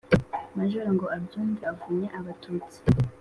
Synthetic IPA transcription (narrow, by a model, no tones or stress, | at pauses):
maʒuɾaŋɡoabduːndiavuɲeʔaβatʰuːt͡si̥